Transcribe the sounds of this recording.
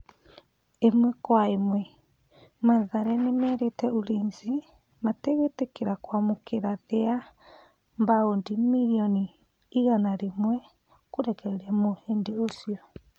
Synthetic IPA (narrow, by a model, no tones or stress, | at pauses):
emwɛkwaimwɛ | maðaɾɛnemɛːɾetɛoɾiːnzi | mateɣetekeɾakwamokʰeɾaðea | mbaondimiɾiɔniː | ɣanaɾemwɛ | koɾɛkɛɾɛmoheːndeosiɔ